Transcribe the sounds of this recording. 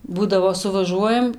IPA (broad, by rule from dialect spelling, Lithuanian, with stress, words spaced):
ˈbuːdɐʋoː sʊʋɐˈʒuɔjɛm